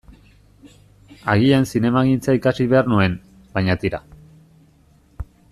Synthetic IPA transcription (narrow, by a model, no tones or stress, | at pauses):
aɣ̞iansine̞maɣint͡saikasiβe̞arnue̞n | b̥ajɲat̪iɾa̰